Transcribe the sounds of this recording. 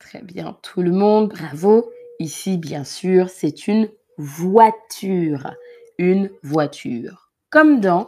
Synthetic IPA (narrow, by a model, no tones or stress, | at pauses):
t̪χɛ̰bjɛ̰̃t̪ʰuləmɔ̃d̪̚bʁavoisibjɛ̃syʁsɛt̪ʰyn | vwat̪ʰyʁ | ynvwat̪ʰy̰ːʁ | kɔmd̪ɑ̃